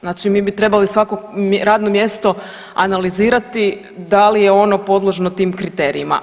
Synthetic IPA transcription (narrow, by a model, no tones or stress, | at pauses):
znaːt͡ʃimiːbit̪ɾe̞balisʋakomɾaːd̪no̞mje̞st̪o̞ | a̰naliziːɾat̪i | d̪alije̞o̞no̞po̞d̪lˠoʒnot̪iːmkɾit̪eɾiima̰